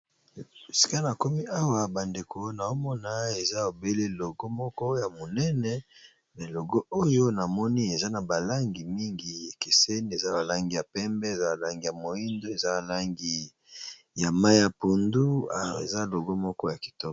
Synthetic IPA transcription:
si˨ka˦na˨ko˦mi˦ʔa˦wa˨ba˨nde˨ko˨na˨o˦mɔ˦na˦e˨za˦o˨be˦le˦lo˨ɡo˦mɔ˦kɔ˦ja˨mo˨nɛ˦nɛ˦ | mɛ˨lo˨ɡo˦o˦jo˦na˨mɔ˦ni˦e˨za˦na˨ba˨la˦ŋɡi˨mi˦ŋɡi˨ja˨ke˨se˦ni˦e˨za˦ba˨la˦ŋɡi˨ja˨pɛ˦mbɛ˦e˨za˦a˨la˦ŋɡi˨ja˨mo˨i˦ndo˦e˨za˦a˨la˦ŋɡi˦ | ja˨ma˦a˨po˨ndu˦a˨ḛ˨za˦lo˨ɡo˦mɔ˦kɔ˦ja˨ki̥˨tɔ˦kɔ˨

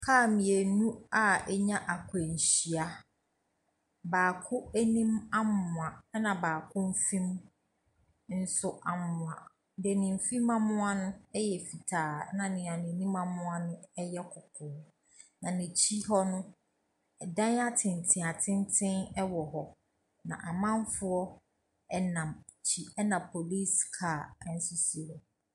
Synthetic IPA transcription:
kʰaː˦˨mɪ̃˨æ˨nũ˦a˨ɛ˦ɲã˦ʔa˨kʰʊ˨æ˨ɲ̩˨ɕi˨a˨ | baː˨kʰʊ˦æ˦nĩ˦ma˦mːʊ̃˨a˨˦nã˨baː˨kʰʊ̃˦m̩˦fĩ˦m | n̩˦sʊ˦ʔa˨mːʊ̃˨ã˨ | dɛ˨nɪ̃˨m̩˨˦fĩ˦mã˦mʊ̃˦a˦nʊ̃˦ɛ˦jɛ˨fi˨tʰaː˨˦nã˨nɪ̃˨ã˨nɪ̃˨nĩ˦mã˦mʊ̃˦a˦nʊ̃˦ɛ˦jɛ˦kʰʊ˨kʰʊː˨ | nã˨nĩ˨t͡ɕʰi˦ɦɔ˦nʊ̃˦ | ɛ˨dã˦na˦tʰɪ̃˨ntʰɪ̃˨a˨tʰɪ̃˦ntʰɪ̃˦nɛ˦wɔ˨ɦɔ˨ | nã̰˨ʔa˨mã˦m˦fʊ˦ɔ˦ | ɛ˦nã˨m | t͡ɕʰi˦ɛ˦nã˨pʰo˨li˦skʰa˨˦n̩˦sʊ˦si˨ɾɔ˨

